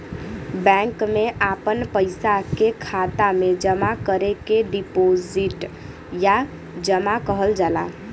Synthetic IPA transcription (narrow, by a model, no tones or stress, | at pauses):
bɛ̃ŋkmeʔapənpəɪsakekʰat̪amed͡ʒəmakəɾekeɖipod͡ʒiʈ | ja | d͡ʒəmakəɦəld͡ʒala̰